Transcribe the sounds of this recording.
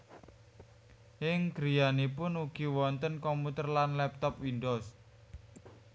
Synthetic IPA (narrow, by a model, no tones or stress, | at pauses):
ɪŋɡ̥ɾijanipʊnuɡ̥iwɔnt̪ənkɔmput̪ərlanlɛp̚t̪ɔpwindos